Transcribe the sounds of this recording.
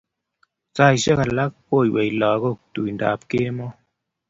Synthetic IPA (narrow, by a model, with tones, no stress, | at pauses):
t͡sa˦˧˨jʃe˦ka˨la˦k̚po˦˨jwe˨jlɔ˨˦ko˦˨tu˨jnda̰˨p̚ke˦mɔ˦